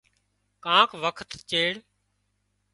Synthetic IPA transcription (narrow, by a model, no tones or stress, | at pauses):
kãːkʰʋəkʰt̪t͡ʃeːɽ